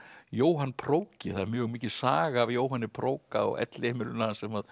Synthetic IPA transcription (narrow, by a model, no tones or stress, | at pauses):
joːwɦanːpʰɾowcɪθaðmjʏɣmiːcɪsaːɣaːvjoːwɦanːɪpʰɾoːwkaɔ̰ɣɛ̰t̪lɪɛːmɪlʏnasɛmað